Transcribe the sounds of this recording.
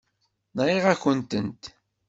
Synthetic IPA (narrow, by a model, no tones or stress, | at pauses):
nɾiʁæçənt̪ənt̪